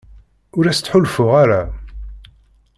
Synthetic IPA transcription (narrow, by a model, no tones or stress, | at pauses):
ʊɾæst̪ːħʊlfʊʁaɾa